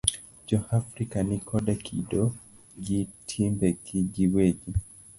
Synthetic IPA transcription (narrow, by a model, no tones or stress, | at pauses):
d͡ʒɔhafɾikanikʰɔɗɛkʰḭɗɔ | d͡ʒitʰimbɛkʰid͡ʒiwɛd͡ʒi